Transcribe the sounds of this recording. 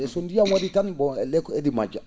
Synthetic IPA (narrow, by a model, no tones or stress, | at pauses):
ɛsondijaŋwaditanbɔɛlɛkɔedima̰d͡ʒa